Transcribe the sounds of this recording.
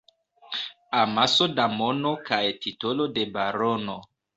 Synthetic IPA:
amasodamonokajtitolodebaɾono

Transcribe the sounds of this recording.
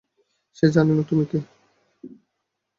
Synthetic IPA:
ʃed͡ʑananot̪umike

